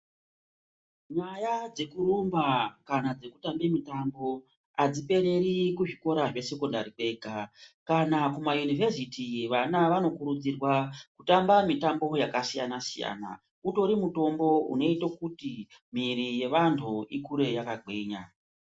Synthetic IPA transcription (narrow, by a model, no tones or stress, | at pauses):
ɲajad͡ze̞kurumbakanad͡ze̞ku̥tambemitambo̞ | ad͡zipe̞ɾe̞ɾikuʐiko̞ɾaʐe̞se̞kondaɾiɓe̞ɡʱakanakumajunivʱe̞sitiʋanaʋano̞kuɾud͡zirwakutambamitambo̞jakasijanasija̰na̰ | uto̞ɾimuto̞mbo̞ṵno̞itokutimiɾije̞ʋantʰuikuɾe̞jakaɡwe̞ɲa